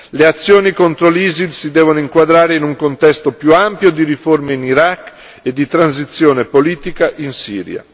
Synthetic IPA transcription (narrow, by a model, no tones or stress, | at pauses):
leat̪sːjoːnikont̪ɾolizilsid̪ɛːvonoiŋkwad̪ɾaːɾeinuŋkont̪ɛst̪opjuampjod̪iɾiformeiniɾakː | ed̪ːit̪ɾans̬it̪sːjoːnepoliːt̪ikaʔinsḭːɾja̰